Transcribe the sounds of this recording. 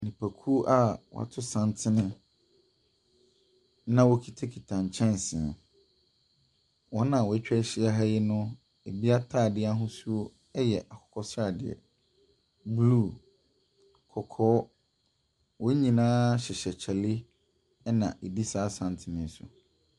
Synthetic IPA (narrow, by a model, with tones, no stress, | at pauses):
nĩ˨pʰa˨kʰu˦ʔa˦wɔ̰˨a̰˨tʰʊ˦sã˦ntʰɪ˦nɪ̃˦ | nã˦wɔ˦kʰi˦tʰa˦kʰi˨tʰã˨ɲ˨t͡ɕʰɛ̃˦n˨sɪ̃˨ɛ̰˨ | wɔ̃˦nã˨wɔ˨æ˦t͡ɕᶣɛ˦ɕɪ˦a˦ɦa˦jɪ˦nʊ̃˦ | e˨bi˦a˦tʰaː˦˨dɪ˦a˦ɦʊ̃˦su˦o˦ | ɛ˦jɛ˨ʔa˨kʰɔ̥˨kʰɔ˦sa˨dɪ˨ɛ̰˨ | blu˦˨ | kʰɔ˨kʰɔː˦ | wɔ˦ɲĩ˨nãː˦ɕɪ˨ɕɛ˨t͡ɕʰɛ˨lɪ˦ | ɛ˦nã̰˨ʔe˨di˦saː˨˦sã˨ntʰɪ˦nɪ̃˦n˦sʊ̰˨